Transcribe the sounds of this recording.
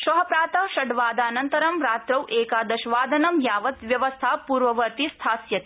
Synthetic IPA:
ʃɐɦɐpɾaːt̪ɐʃɐɖʋaːd̪aːnɐnt̪ɐɾɐmɾaːt̪ɾɐwʔeːkaːd̪ɐʃʋaːd̪ʱɐnɐmjaːʋɐt̪ʋjɐʋɐst̪ʰaːpuːɾʋɐʋɐɾt̪ist̪ʰaːsjɐt̪

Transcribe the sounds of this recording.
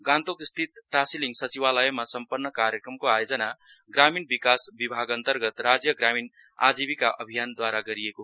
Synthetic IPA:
ɡãnt̪okist̪ʰit̪ʈasiliŋɡsʌt͡siβaləemasʌmpənːəkaɾjəkɾəmkoajod͡zʌna | ɡɾaminbikasbibʱaɡənt̪əɾɡət̪ɾad͡zjəɡɾamin | a̰d͡zibikaʔʌ̰bʱijand̪waɾaɡʌɾieko

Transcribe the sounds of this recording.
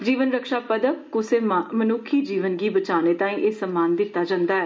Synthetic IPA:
d͡ʒiːʋənɾəkʃaːpəd̪əkkʊseːmənʊkʰːiːd͡ʒiːʋənɡiːbət͡ʃaːneːt̪ãːĩːʔeːsəmːaːnd̪ɪt̪ːaːd͡ʒãːnd̪aːɛː

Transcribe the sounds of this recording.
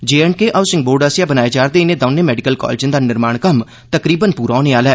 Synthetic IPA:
d͡ʒeːɛɳkeːʔasɪ̃ŋɡ̚boːɾɖəsjaːbənaːeːd͡ʒaːɾd̪eːɪneːd̪əːneːmɛːɖɪkəlkɔ̰ːled͡ʒə̃nd̪aːnɪɾmaːɳkəm | t̪əkɾiːbənpuːɾaːoːneːaːlɛː

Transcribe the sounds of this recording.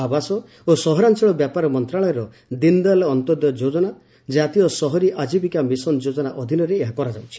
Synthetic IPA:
abasɔ | osɔɦɔɾant͡ʃɔɭɔbjapaɾɔmɔnt̪ɾaɭɔjɔɾɔ | d̪ind̪alɔnt̪ɔd̪jɔd͡ʒod͡ʒɔna | d͡ʒat̪ijɔsɔɦɔɾiʔad͡ʒibikamisɔnd͡ʒod͡ʒɔnaʔɔd̪ʱinɔɾeːɦakɔɾad͡ʒawt͡ʃʰi̥

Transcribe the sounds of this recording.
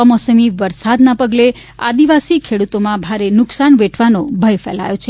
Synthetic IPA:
əmɔsəmiʋəɾsad̪napəɡle | a̰d̪iʋasikʰeɽut̪omãbʱaɾenʊksanʋeʈʰʋanobʱəjfɛ̰la̰jõt͡ʃʰe

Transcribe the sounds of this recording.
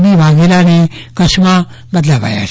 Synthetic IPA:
bibʱaɡilanikɐsma | bəd̪labʱa̰ja̰

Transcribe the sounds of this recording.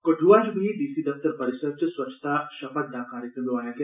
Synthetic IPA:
kɐʈʰuʋaːd͡ʒbʱid̪iːsid̪ɐft̪əɾpɐɾɪsəd̪̚t͡ʃswɐt͡ʃʰːt̪aʃɐfət̪d̪aːkaːɾjəkɾə̃mjoaːjãk̪e

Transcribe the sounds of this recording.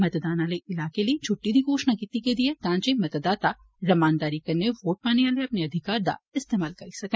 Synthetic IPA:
mɐt̪d̪aːnaːleʔɪlaːkelit͡ʃʰʊʈːid̪ʱikoːʃnakiːt̪iked̪iet̪ãːt͡ʃimɐt̪d̪aːt̪a | ɾɐmaːnd̪aːɾikɐɾneʋoːʈ̚paːneʋaːleɐpneɐd̪ʱɪkaːɾd̪a̰ɪst̪eːmaːlkɐɾisɐkẽ

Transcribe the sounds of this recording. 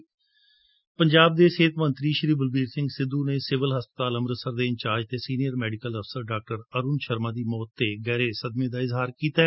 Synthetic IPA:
pəɲd͡ʒaːb̚d̪eːseːt̪mə̃nt̪ɾiːʃəɾiːbəlbiːɾsɪ̃ŋɡsɪd̪uːneːsɪʋəlɦəspə̥t̪aːləmɾəsəɾd̪eːɪ̃ɲt͡ʃaːd͡ʒt̪eːsiːnijəɾmɛːɖɪkələfsəɾɖaːk̚ʈəɾəɾuːnʃəɾmãːd̪iːmɔːt̪ːeːɡɛːɾeːsəd̪mẽːd̪aːɪzɦaːɾkiːt̪a

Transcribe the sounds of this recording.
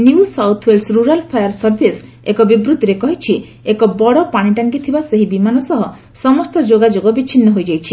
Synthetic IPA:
njuusawt̪ʰwelsɾuɾalpʰajaɾsɔɾbʱis | ekɔbibɾut̪iɾekɔɦit͡ʃʰi | ekɔbɔɽɔpaɽ̃iʈaŋkit̪ʰibaseɦibimanɔsɔɦɔ | sɔmɔst̪ɔd͡ʒoɡad͡ʒoɡɔbit͡ʃʰinːɔɦojd͡ʒajt͡ʃʰi

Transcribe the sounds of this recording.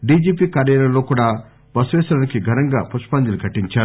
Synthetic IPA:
ɖiːd͡ʒiːp̬iːkaːɾjaːlɐlo̞ːkuːɽaː | bɐsuʋɛːsɐɾɐnikiɡʱɐnɐŋɡa̰ːpuʂpɐnd͡ʒ̪ilukʰɐʈːiɲt͡ʃaːɾu

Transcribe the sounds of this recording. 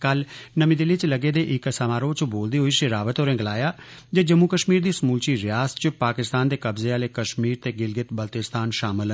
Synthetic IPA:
kəlnəmiːd̪ɪlːiːt͡ʃləɡeːd̪eːʔɪkəsamaːɾoːt͡ʃəboːld̪iːɦoiːʃɪɾaːʋət̪ɦoːɾẽːɡəlaːjaːd͡ʒeːd͡ʒəmːuːkəʃmiːɾd̪iːsmuːlt͡ʃiːɾɪjaːst͡ʃəpaːkɪst̪aːnd̪eːkəbzeːaːleːkəʃmiːɾt̪eːɡɪlɡɪt̪bəlt̪ɪst̪ʰaːnʃaːmɪlɦə

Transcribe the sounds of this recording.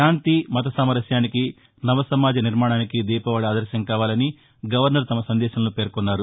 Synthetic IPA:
ʃaːnt̪imɐt̪ɐsaːmɐɾɐʃjaːniki | nɐʋɐsɐmaːd͡ʒɐniɾmaːɳaːnikid̪iːpɐʋaːɽaːd̪ɐɾʃɐŋkaːʋaːlɐni | ɡɐʋɐɾnɐɾt̪ɐmɐsɐnd̪ɛːʃɐnɐluːpe̞ːɾkɔnːaːɾu

